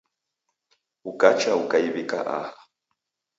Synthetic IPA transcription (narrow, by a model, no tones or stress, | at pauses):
ukat͡ʃaukaiβika̰ʔa̰ha